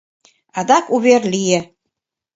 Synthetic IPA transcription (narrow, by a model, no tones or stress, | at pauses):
ɑd̪ɑkuβeɾlijĕ